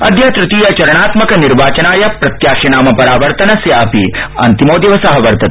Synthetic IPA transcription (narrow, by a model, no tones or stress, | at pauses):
ɐd̪ʱjɐt̪ɾut̪iːjɐt͡ʃɐɾɐɳaːt̪mɐkɐniɾʋaːt͡ʃɐnaːjɐpɾɐt̪jaːʃinaːmɐpɐɾaːʋɐɾt̪ɐnɐsjaːpiɐ̰nt̪imoːd̪jɐʋɐsɐɦɐʋɐɾt̪ɐt̪